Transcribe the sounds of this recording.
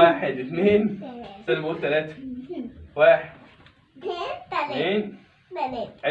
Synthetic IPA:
aːħed̪et̪neːnsænæmot̪ːælæːt̪æ̥ | waːħed̪ | neːn | ʕe

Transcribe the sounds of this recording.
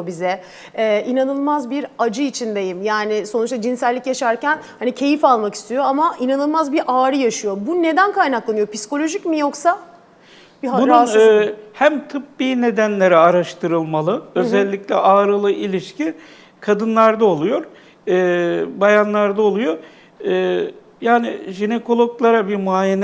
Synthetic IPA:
bizɛ | ɛːʔinanɯlˠmazbiɾad͡ʒɯit͡ʃʰind̪e̞jimjaːnɪso̞nut͡ʃt̪ˠad͡ʒinsælʲːicjaʃaɾcænhanicʰe̞jifalˠmaki̥st̪ʰijo̞amaʔinanɯlˠmazbiɾʔaːɾɯjaʃɯjo̞bune̞d̪ænkʰajnaklˠanɯjo̞pʰisko̞lʲo̞ʒicmijo̞ksa | biɦaun | hæmt̪ʰɯp̚biːne̞d̪ænlʲe̞ɾɛaɾaʃt̪ʰɯɾɯlˠmalˠɯø̞zɛlʲːiclʲɛʔaːɾɯlˠɯʔilʲiʃcʰi | kʰad̪ɯnlˠaɾd̪ao̞lˠujo̞ɾ | ɯːbajanlˠaɾd̪ao̞lˠujo̞ɾ | ɯː | jaːnɪ̰ʒine̞ko̞lˠo̞klˠaɾabiɾmuajen

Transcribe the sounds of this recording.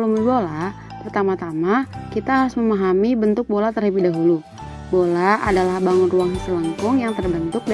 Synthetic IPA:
luməbola | pərt̪amat̪amakit̪aɦaɾʊsməmaɦamibənt̪ʊk̚bolat̪ərhəbidaɦulu | bolaʔa̰dalahbaŋʊnruaŋɦisiləŋkʊŋjaŋt̪ərbənt̪ʊk̚d

